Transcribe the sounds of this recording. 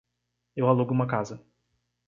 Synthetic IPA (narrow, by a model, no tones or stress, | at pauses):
ewaluɡʊũmɐkazɐ